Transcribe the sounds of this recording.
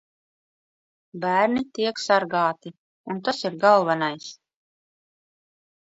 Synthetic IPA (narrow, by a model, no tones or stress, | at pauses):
bæːɾnit̪iɛksaɾɡɑːt̪i | unt̪asiɾɡalˠvanajs